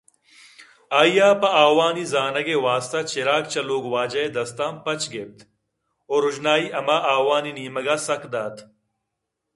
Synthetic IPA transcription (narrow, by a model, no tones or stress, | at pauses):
aːjaːpɐaːwaːnizaːnɐɡeːwaːst̪ɐt͡ɕeɾaːk̚t͡ɕɐloːɡwaːd͡ʑɐed̪ɐst̪aːmpɐt͡ɕɡeːp̚t̪ | oːɾud͡ʑnaːiːɐmaːʔaːwaːniniːmɐɡaːsɐkd̪aːt̪ʰ